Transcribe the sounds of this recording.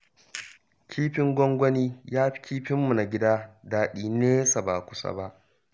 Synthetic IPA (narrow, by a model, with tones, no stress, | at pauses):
kʲʰiː˦ɸɪ˦ŋɡʷɔ˦ŋɡʷɔ˦niː˦jaː˦ɸi̥˦kʲʰiː˦ɸɪ˦mːu˨na˨ɡʲɪ˦daː˦daː˨ɗiː˦neː˦jsa˨baː˨kʷʊ̥˦sa̰˦ba˦ʔ